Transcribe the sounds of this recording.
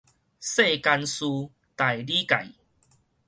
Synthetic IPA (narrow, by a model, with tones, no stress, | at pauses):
se˥˧˨ka˧nsu˧ | t̪a˨˩jli˦ka̰˨˩j